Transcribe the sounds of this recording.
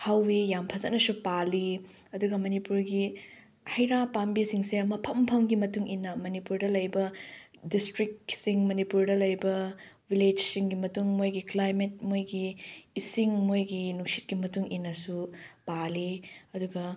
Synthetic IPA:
hawːejampʰɐzɐtnːɐsupali | ɐduɡɐmɐnipuɾɡi | hɐjɾapambisiŋseɐmɐpʰɐmpʰɐmɡimɐtuŋʔinːɐmɐnipuɾdɐlɐjbɐdistɾik̚siŋmɐnipuɾdɐlɐjbɐwiled͡ʒsiŋɡimɐtuŋmojɡiklajmet̚mojɡiːsiŋmojɡinuk̚si̥t̚kimɐtuŋʔinːɐsupaliɐduɡɐ

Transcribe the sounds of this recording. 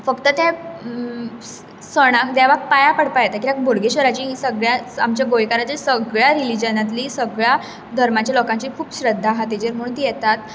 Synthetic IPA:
fəkt̪ət̪ã | səɽ̃akd̪jaʋak̚pajapəɽpajet̪akiak̚bʱoɽɡeɕʋəɾat͡ɕiːɦiːsəɡɭjaamt͡ɕjaɡojkaɾat̪isəɡɭjaɾilid͡ʑənat̪liːsəɡɭja | d̪ʱəɾmat͡ɕjalɔkãɲt͡ɕiːkʰuːpɕɾəd̪ʱːaɦat̪id͡ʑəɾməɽuːnt̪ijɛt̪at̪̚

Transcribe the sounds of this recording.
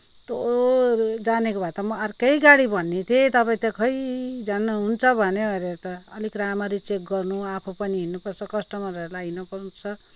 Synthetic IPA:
t̪o | d͡zanekobʱat̪ʌmʌaɾkeiɡaɽibʱʌnːet̪ʰet̪ʌpãĩt̪ʌkʌjd͡zanːʌɦunt͡sʰʌbʱʌneʌɾet̪ʌːlikɾamaɾit͡sek̚ɡʌrnuapʰopʌniɦinːupʌrt͡sʰʌkʌsʈʌmaɾʌelainʌpʌt͡sʰʌ

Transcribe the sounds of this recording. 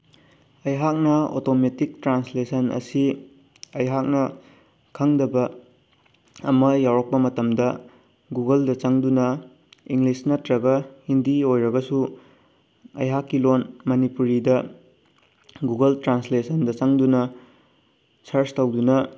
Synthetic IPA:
ɐjɦak̚nɐo̰tometik̚tɾanslesʰɐnɐ̰si | ɐjɦak̚nɐ | kʰɐŋdɐbɐ | ɐmɐjawɾɐk̚pɐmɐtɐmdɐ | ɡuɡɐldɐt͡ʃɐŋdunɐ | iŋlisnɐtɾɐɡɐhindiojɾɐɡɐsu | ɐ̰jɦakːilonmɐnipuɾidɐ | ɡuɡɐltɾanslesʰɐndɐt͡ʃɐŋdunɐ | sɐɾstɐwdunɐ

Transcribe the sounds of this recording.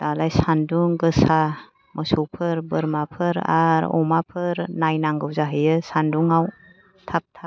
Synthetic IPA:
d̥alajsanduŋɡɯsa | mʔəsuwpʰɯɾbɯɾmapʰɯɾa̰ɾɔ̰mapʰɯɾnajnaŋɡɯwzaɦɯjɯsanduŋaw | tʰap̚tʰa

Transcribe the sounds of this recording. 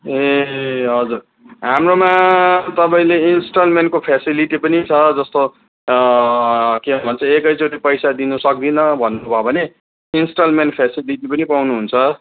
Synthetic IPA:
eɦʌd͡zur | ɦamromat̪ʌpãĩleinsʈʌlmenʈkopʰesiliʈipʌnit͡sʰʌd͡zʌst̪o | kebʱʌnt͡sʰʌekʌjt͡soʈipʌjsad̪inusʌk̚d̪inʌbʱʌnːubʱʌbʱʌne | insʈʌlmenʈpʰesiliʈipʌnipawnuɦunt͡sʰʌ

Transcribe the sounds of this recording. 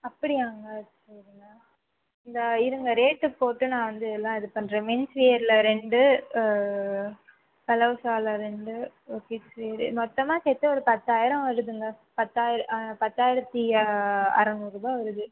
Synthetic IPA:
ɐpːɐɽɪaːŋɡɐsɐɾɯŋɡɐ | ɪnd̪ɐɪɾɯŋɡɐɾeːʈːɯpoːʈːɯnãːʋɐnd̪ɯɛlːãːɪðɯpɐnːɾẽːmɪnsʋiːɐɾɪlɐɾɛɳɖɯ | kɐlɐʋɯsaːlɐɾɛɳɖɯ | kisʋejɾɯ̰mɔt̪ːɐmaːsɛt̪ːɯɔɾɯpɐt̪ːaːjɪɾɐ̃ʋɐɾɯðɯŋɡɐ | pɐt̪ːaːjɪɾɐpɐt̪ːaːjɪɾɐt̪ːi | ɐ̰ɾɐnuɾubaːʋɐɾɯðɯ

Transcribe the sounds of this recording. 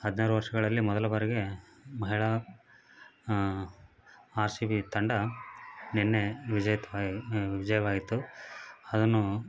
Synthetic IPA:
hɐd̪naːɾuʋɐɾʂɐɡɐɭɐlːimɔd̪ɐlɐbɐɾɛɡe | mɐɦiɭɐ | aːɾsiʋit̪ɐɳɖɐ | nɛnːeʋid͡ʒɐjɐt̪ʋʋid͡ʒɐjɐʋaːɡit̪ːu | ɐd̪ɐnːu

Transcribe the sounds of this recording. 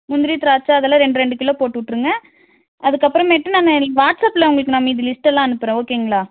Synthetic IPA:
mʊnd̪ɪɾit̪ɾaːt͡ʃːaːɐðɛlːãːɾɛɳɖɯɾɛɳɖɯkɪlːõpoːʈːɯʋɪʈːɯɾɯŋɡɐ̃ | ɐðɯkːɐpːɯɾɐ̃meːʈːɯnaːnɐʋaːʈsɐpːlɐʊŋɡɐɭɯkːɯnaːmːɐiɪðɯlɪsʈɛlːãːɐnɯpːɯɾɛ̃oːkːeːɯŋɡɐɭaː

